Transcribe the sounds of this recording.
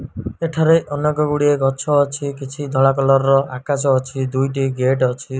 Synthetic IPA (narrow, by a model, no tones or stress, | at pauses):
eʈʰaɾeʔɔnɔkɔɡuɽieɡɔt͡ʃʰɔːt͡ʃʰikit͡ʃʰid̪ʱɔɭakɔlɔɾɔʔakasɔːt͡ʃʰid̪ujʈ̬iɡeʈɔt͡ʃʰi